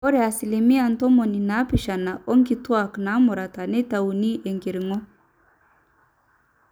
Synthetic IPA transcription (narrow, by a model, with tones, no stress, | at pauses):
ɔ˦ɾe˨a˨si˨li˨mi˦a˨n˨tɔ˦mɔ˨ni˨na˨˦pi˨ʃa˨na˨ʔɔ˦ŋɡi˨twa˨kna˨˦mʊ˨ɾa˨ta˨ne˦ta˨u˨ni˦ʔe˨ŋɡi˨ɾi˨ŋɔ˦